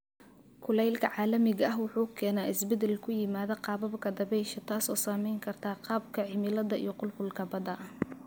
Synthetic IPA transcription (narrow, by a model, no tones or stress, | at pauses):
kʰʊlɛjlkʰɐʕɑːlɐmɪɣɐʔɐɦwʊħuːkʰɛːnaːʔɪsbɛd̪ɛlkʰʊjɪmaːðɐqɑːbɐbkʰɐd̪ɐβɛjʃɐt̪ʰaːsɔːsaːmɛjŋkʰɐrt̪ʰaːqɑːb̚kʰɐʕɪmɪlɐðɐʔḭjɔqʊlkʊlkʰɐbɐd̪ɐ